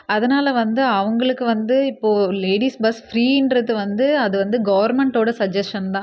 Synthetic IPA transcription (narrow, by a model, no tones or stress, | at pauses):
ɐðɐnaːlɐʋɐnd̪ɯɐʋɐŋɡɐɭɯkːɯʋɐnd̪ɯɪpːoːleːɽiːsbɐsfɾiːɪnɖɾɐðːɯʋɐnd̪ɯɐðɯʋɐnd̪ɯɡɐʋɐɾmɛɳʈoːɽɐsɐd͡ʒɛsʈɐnt̪ãː